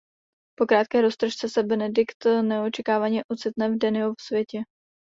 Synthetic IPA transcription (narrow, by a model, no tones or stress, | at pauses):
po̞kɾaːt̪̚kɛːɾost̪ɾoʃt͡sɛsɛbɛnɛdɪkt̪nɛo̞t͡ʃɛkaːvaɲɛʔot͡sɪt̪nɛvdɛnɪofsvjɛcɛ